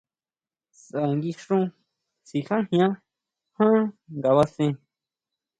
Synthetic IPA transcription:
sã˨ŋɡi˧ʂɾũ˦ | si˨hã˦hj̃ã˦ | hã˦ŋɡa˨βa˧sẽ˧

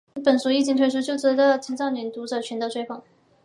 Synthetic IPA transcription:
pə˨˩nsu˧˥i˥˩t͡ɕi˥ŋt̪ʰwe˧˥ɪʂu˥t͡ɕjo˥˩ʊt͡sɻ̩˧˥d̪ə˧t͡ɕʰi˧˥ŋsɑ˥˩ʊnɥɛ˨˥nt̪u˧˥ʈ͡ʂɤ˨˩t͡ɕʰɛ˧˥nd̪ə˧ʈ͡ʂʰwe˥ɪfɑ˨˩ŋ

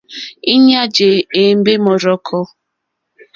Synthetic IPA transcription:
i˦ɲa˦d͡ʒe˨e˨m̩˦be˦mɔ˨ɾɔ˦kʰɔ˦

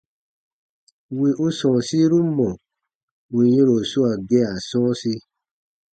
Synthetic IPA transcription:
we˧ʔo˦sɔ̃˨si˦ɾu˦mɔ̃˨ | o˨j̃ĩ˧˦ɾo˨su˦a˨ɡe˧˦a˨sɔ̃˦si˧

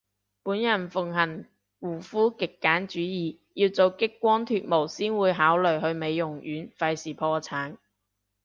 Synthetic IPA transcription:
puː˨˥njɐ˨˩nfʊ˨˩ŋɦɐ˨˩n | wuː˨˩fuː˥kɪ˨kːaː˨˥nt͡ʃyː˨˥jiː˨ | jiː˧wt͡so˨wkɪ˥kːʷɔː˥nt̪ʰyː˧t̚mo˨˩wsiː˥nwuː˨˧jɦaː˨˥wlɵ˨ɥɦɵ˧ɥme˨˧jːʊ˨˩ŋɥyː˨˥nfɐ˧jsiː˨˩pʰɔː˧t͡sʰaː˨˥n

